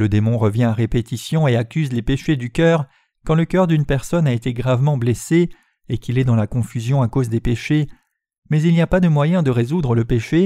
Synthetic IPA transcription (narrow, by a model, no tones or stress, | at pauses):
ləd̪emɔ̃ʁəvjɛ̃aʁepet̪isjɔ̃eakʲyzlepeʃed̪ykʲœʁ | kɑ̃ləkœʁd̪ynpɛʁsɔnaet̪eɡʁavmɑ̃blese | ekʲilɛd̪ɑ̃lakɔ̃fyzjɔ̃akozd̪epeʃe | mɛzilniapad̪əmwajɛ̃d̪əʁezud̪ʁələpeʃe